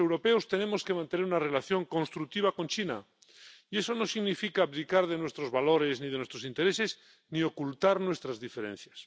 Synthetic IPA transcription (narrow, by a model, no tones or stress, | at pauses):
ewɾo̞pe̞ost̪ene̞moskemãnt̪e̞neɾunare̞laθjo̞ŋko̞nst̪ɾuk̚t̪iβ̞ako̞nt͡ʃina̰ | ie̞so̞no̞siɣnifikaːpðikaɾð̞e̞nwest̪ɾo̞zβalo̞ɾe̞zniðenwest̪ɾosint̪e̞ɾese̞s | nio̞kult̪aɾnwe̞st̪ɾazðifeɾḛn̟θjas